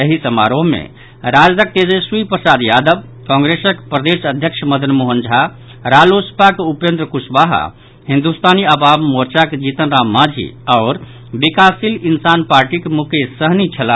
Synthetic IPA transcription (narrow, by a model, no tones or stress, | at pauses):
jəɦisəma̰ɾoɦmḛ | ɾad͡ʒdək̚t̪ed͡ʒəswipɾəsad̪jad̪əb̚ | kɔ̃ŋɡɾesəkpɾəd̪esəd̪ʱjəkʃʰməd̪ʱənmuɦənd͡ʒʱa | ɾalospakeupend̪ɾəkusbaɦa̰ | hind̪ust̪aniəbabmoɾt͡ʃaked͡ʒit̪ənɾamad͡ʒʱḭaʊɾ | bikasilinsanpaɾʈikemukesəɦnit͡ʃʰəla